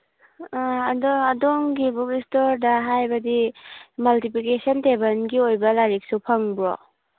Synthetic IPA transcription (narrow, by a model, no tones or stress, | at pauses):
aɐdɔɐdoŋɡibukistoɾdɐɦajbɐdimɐltipikesɐntebɐnɡiojbɐlaɾik̚supʰɐŋbɾo̰